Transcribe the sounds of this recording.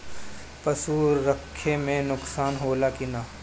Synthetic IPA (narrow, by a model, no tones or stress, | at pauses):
pɐsuːɾːəkʰːemẽnʊksaːnɦoːlakinaː